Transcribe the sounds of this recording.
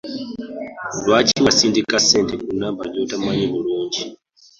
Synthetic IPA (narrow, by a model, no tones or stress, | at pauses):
lwat͡ʃʰiwasindikʼasɛntɛkunambad͡ʒutamaɲɛmuɺuːnd͡ʒi